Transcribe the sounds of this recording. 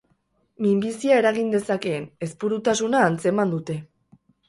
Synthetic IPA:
mimbisiae̞ɾaɣind̪e̞sake̞ːne̞spuɾut̪asunaːnt͡se̞mand̪ut̪e̞

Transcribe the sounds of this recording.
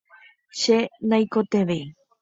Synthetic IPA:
ʃenajkot̪eʋe

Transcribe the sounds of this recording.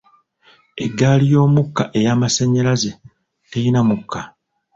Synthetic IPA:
e̞ɡːaːlijo̞ːmukːaʔe̞jaːmaseɲːalaze | tejinamukʰːa

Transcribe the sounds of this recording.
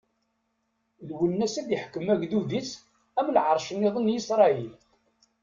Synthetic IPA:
lwənːæsæðjəħə̥kːəmæɡðuðit͡s | æmlʕəɾˤʃənːɪðˤənjisɾˤɑil

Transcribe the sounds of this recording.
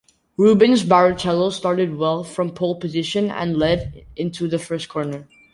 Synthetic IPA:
ɹubɨ̃nzbæɹɨt͡ʃʰɛlˠostɑɹɾɨd̚wɛlˠfɹʌ̃mpʰoʊlˠpɨzɪʃɨ̃nə̰̃nlɛɾɪ̃ntʰuðɨfɜ˞stkʰɔɹnə˞

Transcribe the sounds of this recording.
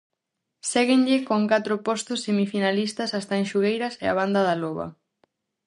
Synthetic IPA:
sɛɣɪŋʎɪkoŋkat̪ɾʊpɔst̪ʊsːemifinalist̪ɐsast̪ɐeŋʃuɣejɾɐsɛɐ̰β̞and̪ɐðaloβɐ̰

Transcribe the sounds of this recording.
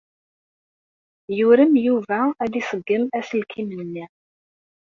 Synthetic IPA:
juɾəmjuvææðisˤəɡːəmæslkʰimnənːi

